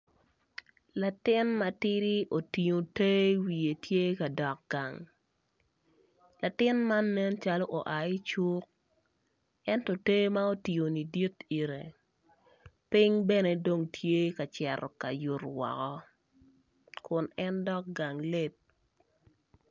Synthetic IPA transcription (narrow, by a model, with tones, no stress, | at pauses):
la˨tɪ˦nma˨ti˦ɾi˦ʔo˨ti˨ɲo˨te˦wi˨e˨tje˦ka˨dɔ˨k̚ɡ̥a˨ŋ | la˨tɪ˦nma˦nːɛ˦nt͡ʃa˦lɔ˦ʔo˨ʔa˨i˦t͡ʃu˦k̚ | ɛ˦ntɔ˨te˦ma˦o˦ti˨o˨ni˨di˦ti˨ɾe˨ | pɪ˦ŋbɛ˦ne˨do˨ŋtʰje˦ka˨t͡ʃɛ˨ɾɔ̰˨ka̰˨ju˨rwɔ̰˨kɔ˦ | kʊ˨nɛ˦ndɔ˦k̚ɡa˨ŋle˦t̚